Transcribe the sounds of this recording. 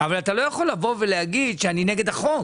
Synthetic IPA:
avalat̪alo̞jaχo̞lːavo̞velehaɡid̪ʃeanineɡe̞d̪aχo̞

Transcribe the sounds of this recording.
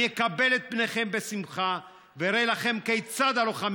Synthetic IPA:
jekabe̞let̪̚pneχe̞mbe̞simχa | veɾelaχe̞mkejt͡sad̪aloχam

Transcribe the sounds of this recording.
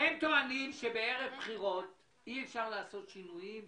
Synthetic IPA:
hemt̪oanimʃebe̞eʁevpχiʁo̞t̪ | iefʃaʁlaːso̞t̪ʃinujim

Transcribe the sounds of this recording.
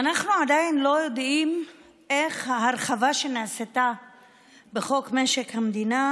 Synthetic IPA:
anaχnuad̪ajinlo̞jo̞d̪im | ʔeχhaɦaɾχavaʃe̞naaset̪a | beχo̞kme̞ʃekhamd̪ina

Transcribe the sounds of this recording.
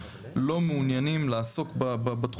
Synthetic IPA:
lo̞meunjanimlaːso̞kbababatχ

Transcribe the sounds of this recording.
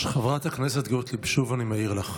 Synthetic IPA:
ʃχavʁat̪hakneset̪ɡot̪libʃuvanimeiʁlaχ

